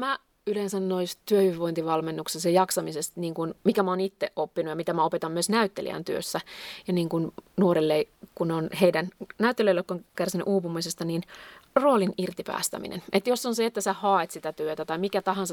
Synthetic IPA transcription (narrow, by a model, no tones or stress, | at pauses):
mæ | yleːnsænnoist̪yøhiʋiʋoint̪iʋɑlmenːuksesjɑjɑksɑmisest̪niːŋkunmikæmoːnit̪ːeʔopːinujɑmit̪æmæopet̪ɑmːyøsnæyt̪ːelḭæ̰nt̪yø̰sːæjɑniːŋkunnuoɾilːeikunonheidænnæyt̪ːeløilːekːoŋkærsinyʔuːpumisest̪ɑniːnroːlinirt̪ipæ̰ːst̪æ̰mḭnḛnʔet̪josːonseet̪ːæsæhɑːet̪sit̪æt̪yøt̪æt̪ɑimikæt̪ɑhɑnsɑ